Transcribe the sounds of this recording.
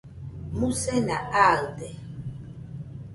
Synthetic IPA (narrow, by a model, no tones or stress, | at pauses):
musɛnaaldɛ